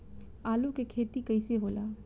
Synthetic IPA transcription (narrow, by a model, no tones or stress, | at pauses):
aːlukekʰeːt̪ikɐɪseɦoːlaː